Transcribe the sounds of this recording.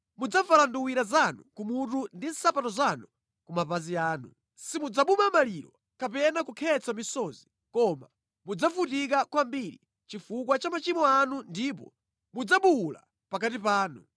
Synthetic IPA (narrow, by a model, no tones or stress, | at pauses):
mud͡zavalanduwiɾazanukumutundin̩sapatɔzanu | kumapaziaːnṵ | simud͡zaɓumamaliɾɔ | kapɛnakukʰɛt͡samisɔzi | kɔma | mud͡zafutik̬akwambiɾḭ | t͡ʃifukwat͡ʃamat͡ʃimɔanundip̬ɔ̰ | mud͡zaɓuula̰ | pakat̬ipaːnṵ